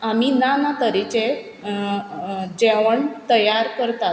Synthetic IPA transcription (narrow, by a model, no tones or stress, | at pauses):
aminanat̪əɾit͡ɕe | d͡ʑeʋəɳt̪əjaɾkəɾt̪a